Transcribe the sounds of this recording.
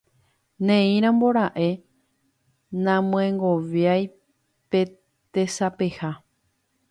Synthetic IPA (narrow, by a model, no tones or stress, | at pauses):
nẽĩɾ̃ãmbo̞ɾ̃aʔe̞ | nãmõẽŋɡoʋjaj | pe̞ | t̪e̞sape̞ha